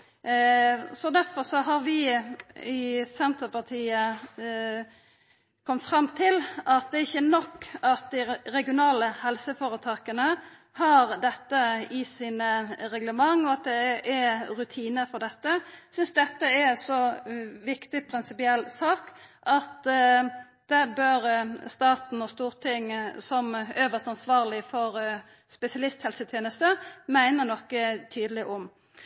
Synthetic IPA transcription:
sɔd̪æɾfɔɾsɔɦɑɾʋɪ | ɪsɛnt̪əpɑʁt̪ʰiːə | kʰɔmt̪fɾɑmt̪ʰɪlɑt̪̚d̪ɛɾɪçːənɔkːɑt̪̚d̪ɪɾɛɡɪʊnɑːləhɛlsəfoːɾət̪ʰɑːkənə | hɑɾd̪ɛt̪ːəɪsiːnəɾɛɡləmɑŋːɔɑt̪̚d̪ɛʔɛɾʉt̪ʰiːnəfɔʁd̪ɛt̪ːəsʏnsd̪ɛt̪ːəɛsɔʋɪkt̪ɪpʰɾɪnsɪpɪɛlsɑːkʔɑt̪ | d̪̥ɛbøɾst̪ɑːt̪n̩ɔst̪uːʁt̪ʰɪŋːsɔmøːʋəst̪ɑnsʋɑːʁlɪfɔɾ | spɛsɪɑlɪst̪hɛlsət̪ʰjeːnəst̪əmæɪnənɔkːət̪ʰyːd̪əlɪʔʊm

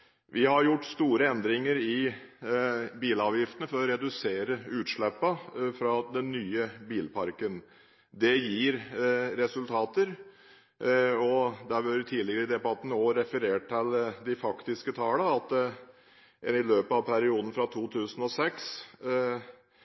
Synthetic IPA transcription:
ʋʔɪhɑɾjʊʈːst̪uːɾəɛnd̪ɾɪŋəɾɪ | biːlɑːʋjɪft̪ənəfɔɾɔɾɛd̪ʉseːɾəʉːt̪ʂɭɛpːəfɾɑd̪ɛnːyːəbiːlpʰɑɾkən | d̪ɛjiːɾɾɛsʉlt̪ʰɑːt̪əɾ | ɔd̪æʋɪlʋɪt̪ʰiːlɪɡəɾəd̪ɛbɑt̪ːnɔɾɛfəɾeːʈɪld̪ɪfɑkt̪ɪskət̪ʰɑːləɑt̪ | ɛnɪløːpəɑʋpʰæɾɪuːd̪n̩fɾɑt̪ʰuːt̪ʰʉːsn̩ɔsɛks

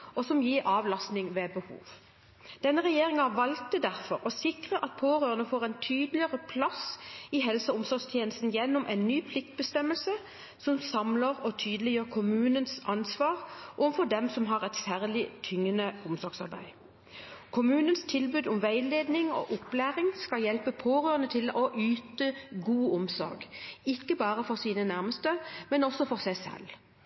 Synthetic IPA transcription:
ɔsɔmjiːʔɑːʋlɑst̪nɪŋʋɛbəhṵːʋ | d̪̥ɛnːəʁɛjeːɾɪŋɑʋɑlt̪əd̪æʁfɔɾɔsɪkʁəʔɑt̪̚pʰoːʁøːʁənəfoːʁɛɪnt̪ʰyːd̪lɪəʁəpʰlɑsiɦɛlsəʊmsɔɾɡst̪ʰjeːnəst̪n̩jɛnːɔmʔæɪnːyːpʰlɪkt̪̚bəst̪ɛməlsə | sɔmsɑmləʁɔt̪ʰyːd̪əlɪjøːʁkʰʊmʉːnənsɑnsʋɑːʁʔʊmfɔd̪ɛmsɔmɦɑʁɛt̪sæːʁlɪt̪ʰʏŋːənəʊmsɔɡsɑʁbæ̰ɪ | kʰʊmʉːnənst̪ʰɪlbʉːd̪ʊmʋæɪleːd̪nɪŋo̰ʔʊplæːɾɪŋskɑljɛlpəpʰoːʁøːʁənət̪ʰɪlɔʔyːt̪əɡuːʊmsɔ̰ɾɡɪkːəbɑːʁəfɔʁsiːnənæʁməst̪əmɛnɔsɔfɔʁsæɪsɛ̰l

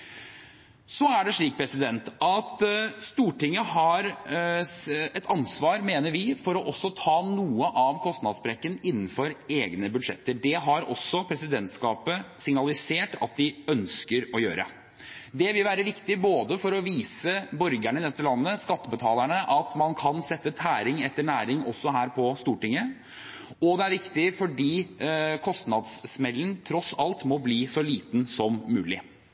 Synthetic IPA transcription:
sɔæɖɛʂɭiːk̚pʰɾɛsɪd̪ɛnt̪ɑt̪st̪uːʈɪŋːəɦɑɾ | ɛt̪ʰɑnsʋɑːɾmeːnəɾʋɪfɔɾɔʔɔsːɔt̪ʰɑːnuːəʔɑʋkʰɔst̪nɑd̪spɾɛkːənɪnːn̩fɔɾeːɡnəbʉd̪ʂɛ̰t̪ːəɖɛɦɑɾɔ̰sːɔpʰɾɛsɪd̪ɛnt̪skɑːpəsɪŋnɑlɪseːʈɑ̰t̪̚d̪ɪœnskəɾɔjø̰ːɾə̰ | d̪ɛʋɪlʋæːɾəʋɪkt̪ɪboːd̪əfɔɾɔʋiːsəbɔɾɡæɳəɪd̪ɛt̪ːəlɑnːəskɑt̪ːəbət̪ʰɑːlæɳəʔɑt̪mɑnkʰɑnsɛt̪ːət̪ʰæːɾɪŋɛt̪ːəɳæːɾɪŋɔsːɔɦæːɾpʰɔst̪uːʈɪŋːə | ɔd̪ɛæɾʋɪkt̪ɪfɔɖiːkʰɔst̪nɑd̪ssmɛlːənt̪ʰɾɔsɑlt̪mɔbliːsɔliːt̪n̩sɔmːʉːlɪ̰

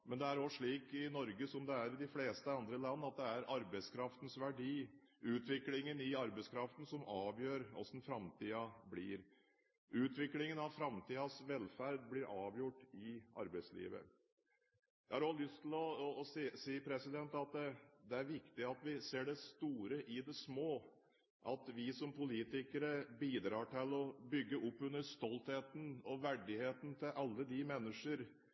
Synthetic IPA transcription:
mɛnd̪ɛæɾɔʂɭiːkɪnɔɾɡəsɔmd̪ɛæɾɪd̪ɪfleːst̪əɑnd̪ɾəlɑnːəɑt̪̚d̪ɛæɾɑɾbæɪskʰɾɑft̪n̩sʋæɖiː | ʉːt̪ʰʋɪklɪŋənɪɑɾbæɪskʰɾɑft̪n̩sɔmɑːʋjøːɾɔ̰sn̩fɾɑmt̪ʰiːɑblḭːɾ | ʉːt̪ʰʋɪklɪŋənɑʋfɾɑmt̪ʰiːɑsʋɛlfæɾd̪blɪɾʔɑːʋjʊʈːɪʔɑ̰ɾbæɪslḭːʋə̰ | jæɪhɑːɾɔlʏst̪ʰɪlɔssiːpʰɾɛsɪd̪ɛnt̪ɑt̪̚d̪d̪ɛæɾʋɪkt̪ɪɑt̪ʋɪseːɖɛst̪uːɾəʔɪd̪ɛsmoː | ʔɑt̪ʋɪsɔmpʰʊliːt̪ɪkəɾəbiːd̪ɾɑːʈɪlɔbʏɡːəʔʊpːʉnːəɾst̪ɔlt̪heːt̪n̩ɔʋæɖɪheːt̪nt̪ʰɪlʔɑlːəd̪ɪmɛnːəʂəɾ

